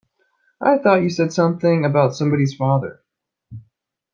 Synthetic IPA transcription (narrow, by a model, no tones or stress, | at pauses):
ʔa̰ɪθɔt͡ʃɨsɛd̥sʌ̃mθɪ̃ŋɨbaʊtsʌ̃mbɑɾiz̥fɑðə̰˞